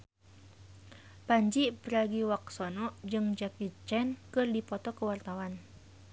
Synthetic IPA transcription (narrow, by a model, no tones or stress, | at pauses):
paɲd͡ʒipəɾaɡiwaksɔnɔʔd͡ʒɨŋd͡ʒakit͡ʃɛnkɨrdipɔt̪ɔkəwart̪awan